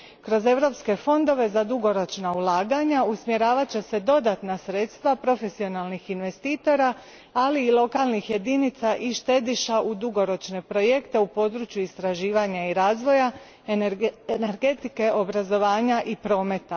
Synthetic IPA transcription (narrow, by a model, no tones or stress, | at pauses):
kɾo̞ze̞ʋɾo̞pske̞fo̞nd̪o̞ʋe̞zad̪uɡo̞ɾo̞t͡ʃnaulˠaːɡaɲausmje̞ɾaːʋat͡ɕe̞se̞d̪o̞d̪at̪nasɾe̞ːt̪st̪ʋapɾo̞fe̞sio̞nalˠnixinʋe̞st̪iːt̪o̞ɾaː | liːlˠo̞kalnixje̞d̪init̪saʔiʃt̪e̞d̪iʃaʔud̪uɡo̞ɾo̞t͡ʃne̞pɾo̞jekt̪e̞upo̞d̪ɾuːt͡ʃjuist̪ɾaʒiːʋaɲaiɾaːzʋo̞ja | ene̞ɾɡe̞t̪ike̞ʔo̞bɾazo̞ʋaːɲaʔipɾo̞ːme̞t̪a